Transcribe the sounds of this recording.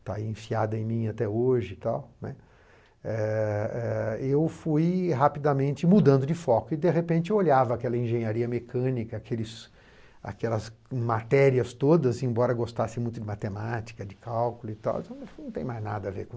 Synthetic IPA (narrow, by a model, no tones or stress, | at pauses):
t̪aiẽfiad̪ɐẽj̃mĩat̪ɛoʒɪt̪awnɛ̰ | ɛɛewfujɦapid̪ɐmẽnt͡ʃɪmud̪ɐ̃nd̪ʊd͡ʒɪfɔkʊɪd̪eɦepẽnt͡ʃɪoʎavɐakɛlɐẽʒẽɲaɾiɐmekʰɐ̃nikɐːkʰelɪs | a̰kɛlɐsmat̪ɛɾiɐst̪od̪ɐzẽbɔɾɐɡost̪asɪ̃mũj̃t̪ʊd͡ʒɪmat̪emat͡ʃi̥kɐd͡ʒɪkawkʊlʊɪt̪a̰wt̪ɐ̃nɐ̃t̪ẽj̃majzna̰d̪ɐaveɾk